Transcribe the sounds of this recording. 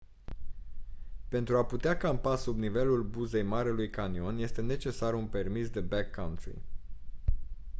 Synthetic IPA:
pe̞nt̪ɾuaput̪eakampasubnive̞lulbuze̞jmaɾelujkanio̞nje̞st̪e̞ne̞t͡ʃe̞sarunpe̞rmisd̪e̞bakʰːawnt̪ɾḭ

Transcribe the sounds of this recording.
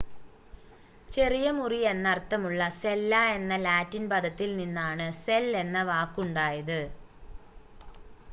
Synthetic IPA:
t͡ɕe̞rijɐmurijenːɐrt̪ːɐmuɭːɐselːae̞nːɐlaːtːinpɐd̪ʱɐt̪ːilninːaːɳɨselːe̞nːɐʋaːkːuɳɖaːjɐðɨ

